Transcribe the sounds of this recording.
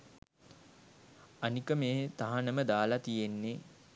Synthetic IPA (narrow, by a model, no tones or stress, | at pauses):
anikəmeːt̪aɦanəməd̪aːlat̪ijenːe